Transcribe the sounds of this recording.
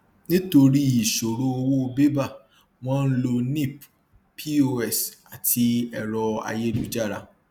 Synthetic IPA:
nĩ˦to˧ɾi˦i˨ʃo˨ɾo˦o˧wo˦o˧be˦ba˦˨ | w̃ɔ̃˦˧n̩˦lo˧nĩ˦˨p | pi˦o˧ɛ˦˨sa˨tʰi˧ɛ˨ɾɔ˧a̰˧je˦lu˦d͡ʒa˦˨ɾa̰˨˧

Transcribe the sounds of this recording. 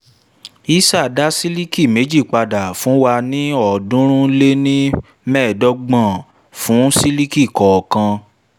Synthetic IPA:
i˦sa˦˨da˦si˦li˦ki˦˨me˨˦d͡ʒi˦˨k͡pa˧da˨fũ˨˦wa˧nĩ˦ɔ˨dũ˦ɾ̃ũ˦le˦nĩ˦ | mɛ̃ː˦˨dɔ˦ɡ͡bã˦˨ | fũ˨˦si˦li˦ki˦˨kɔ˨kã˧

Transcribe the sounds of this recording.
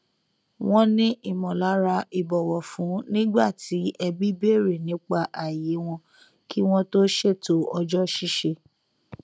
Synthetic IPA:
w̃ɔ̃˦nĩ˦ʔi˦˨mɔ̃˨la˨˦ɾa˧i˨bɔ˨wɔ˨fũ˨˦nĩ˦ɡ͡ba˦˨tʰi˨˦ɛ˧bi˦be˦˨ɾe˨nĩ˨˦k͡pa˧ʔa˨je˨˦w̃ɔ̃˧ | ki˦w̃ɔ̃˦to˦ʃe˦˨to˨˦ɔ˧d͡ʒɔ˦ʃi˦ʃe˧

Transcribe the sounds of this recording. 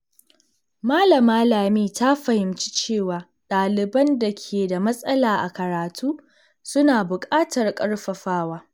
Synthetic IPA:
maː˦lɐ˨maː˦laː˨miː˦˨ta˦ɸɐ˨hɪ˨mt͡ʃi̥˦t͡ʃeː˦˨waː˨ | ɗaː˨lɪ˨bɐ˦nda˨kʲʰeː˨da˨mɐ˦sʼɐ˦laː˨ʔa̰˨kɐ˨ɾaː˨tʰuː˦ | sʊ˦naː˨bʊ˨kʼaː˦tɐ˨rkʼɐ˦rɸɐ˨ɸaː˦waː˦

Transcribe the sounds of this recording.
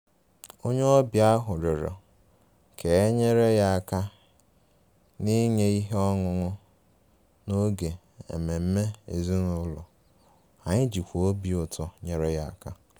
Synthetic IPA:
o˦ɲe˦o˦bja˦ɦʊ˨ɾɪ˨ɾɔ̰˨ | kʰe˨e˦ɲe˦ɾe˦ja˦a˨ka˦ | ni˦ɲe˦i˦ɦe˦ɔ˦ŋʊ˦ŋʊ˦ | no˦ɡe˨ | ḛ˨me˨m̩˦me˦ḛ˨zi˦nʊ˦lɔ˨ | a˨ɲɪ˦d͡ʒi˨kʷo˦bi˨ʊ˨tɔ˨ɲe˦ɾe˦ja˨a˨ka˦

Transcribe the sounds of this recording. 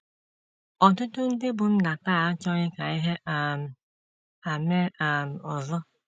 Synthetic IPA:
ɔ˨tʊ˦tʊ˦n̩˦de˦bʊ˨m̩˦na˨taː˦˨a˦t͡ʃɔ˦ɲɪ˦ka˨i˦ɦe˦ʔa˨m̩˨ | a˨me˦a˨m̩˨ɔ˨zʊ˦

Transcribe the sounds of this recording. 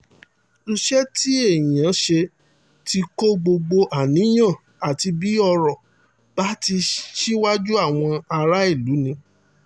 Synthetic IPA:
u˧ʃɛ˦ti˦e˦˨jĩ˨ã˨˦ʃe˧ | ti˧ko˦ɡ͡bo˧ɡ͡bo˧ʔa˦˨nĩ˨˦j̃ã˦˨ | a˨ti˧bi˨˦ɔ˧ɾɔ˨ | ba˦ti˧ʃi˦wa˦d͡ʒu˦a˦˨w̃ɔ̃˧a˧ɾa˦i˦˨lu˨˦nĩ˧

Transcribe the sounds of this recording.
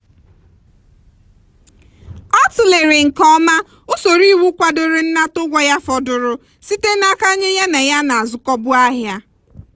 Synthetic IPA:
ɔ˦tʊ˨le˨ɾe˨ŋ̩˨kɔ˦ma˦ | ʊ˦so˨ɾi˦wu˦kʷa˦dʊ˨ɾɪ˨n̩˦na˦tʊ˦ɡʷɔ˦ja˦fɔ˦dʊ˦ɾʊ˦ | si˦te˦na˦ka˦ɲe˦ja˦ne˨ja˦na˨a˨zʊ˨kɔ˦bʊ˦a˦ɦja˦

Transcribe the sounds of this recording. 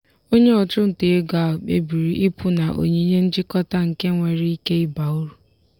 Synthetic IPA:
o˦ɲe˦ɔ˨t͡ʃʊ˦n̩˨te˨e˦ɡa˨k͡pḛ˦bi˨ɾi˨ʔi˦pʊ˦na˨ʔo̰˨ɲe˦i˦ɲe˦n̩˦d͡ʒɪ˦kɔ˦ta˦ŋ̩˨ke˦ŋʷe˨ɾi˦i˦ke˦ɪ˦ba˨u˦ɾu˨

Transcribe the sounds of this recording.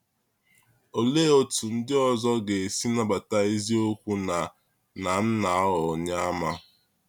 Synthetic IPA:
o˨le˦o˦tu˨n̩˦dɪ˦ɔ˨zɔ˦ɡe˨si˦na˦ba˨ta˦e˦zi˦o˦kʷu˦na˨ | na˨n̩˦na˨˦ɔ˨ɲa˦a˦ma˦

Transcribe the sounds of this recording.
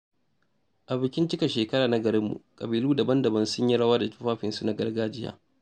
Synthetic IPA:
ʔa˨bɪ˨kʲɪ˦nt͡ʃɪ˦ka˨ʃeː˨kɐ˦ɽaː˨na˦ɡɐ˨ɾɪ˦mːṵ˨kʼɐ˨biː˨luː˦dɐ˨bɐ˦ndɐ˨bɐ˦nsʊ˦ɲji˦ɽɐ˦waː˦da˨tu̥˦ɸaː˦ɸɪ˨nsu˦na˦ɡɐ˦rɡaː˦d͡ʒɪ˦ja̰ː˦

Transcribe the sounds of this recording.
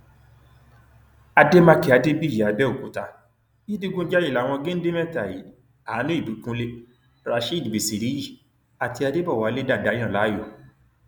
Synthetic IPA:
a˧de˦mã˧ki˨˦a˧de˦bi˦˨ja˨˦bɛ˦o˨ku˨˦ta˧ | i˦di˦ɡũ˦d͡ʒa˦ji˦˨la˨˦w̃ɔ̃˧ɡẽ˦n̩˦de˦mɛ˦˨ta˨ji˨˦ | a˨˦nĩ˦i˦˨du˨˦kũ˦le˦ | ɾa˨ʃi˦˨dbi˨si˨ɾi˨˦i˦˨ | a˨ti˧a˧de˦bɔ˦˨wa˨˦le˦da˦˨da˨˦j̃ã˦˨la˨˦jɔ˦˨

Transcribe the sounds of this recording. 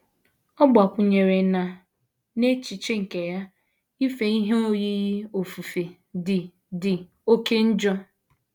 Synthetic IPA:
ɔ˦ɡ͡ba˨kʷʊ˨ɲe˨ɾe˨na˨ | ne˦t͡ʃi˨t͡ʃe˦ŋ̩˨ke˨ja˦ | i˦fe˨i˦ɦe˦o˦ji˦ɣi˦o˨fu˨fe˨ | dɪ˨ | dɪ˨ | o˦ke˦n̩˦d͡ʒɔ˦

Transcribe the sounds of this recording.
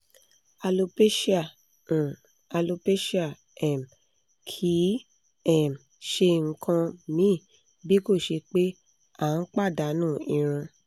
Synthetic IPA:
a˧lo˧pe˦ʃã˦˨ | a˧lo˧pe˦ʃa˦˨ | ɛ˨m˨ | kʰi˨˦ | ɛ˦˨m̩˨ | ʃe˧ŋ̩˧kʰã˧mĩ˨˦˨ | bi˦ko˦˨ʃe˧k͡pe˦ | a˦˨n̩˦k͡pa˦˨da˨˦nũː˦˨ĩ˧ɾ̃ũ˧

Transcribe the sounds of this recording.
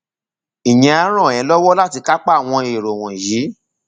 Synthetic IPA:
i˨jɛ̃˧a˧˦ɾ̃ɔ̃˦˨ɛ̃˨˦lɔ˦wɔ˦la˦ti˧ka˦k͡pa˦˨w̃ɔ̃˧e˨ɾo˨w̃ɔ̃˨ji˨˦

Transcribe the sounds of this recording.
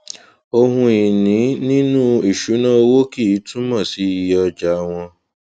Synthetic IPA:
o˧ɦũ˧i˨nĩ˨˦nĩ˦nũ˦i˦˨ʃu˨˦nã˦o˧wo˦ki˦˨i˨˦tũ˦mã˦˨si˨˦i˨jɔ˧d͡ʒa˨˦˧w̃ɔ̃˧

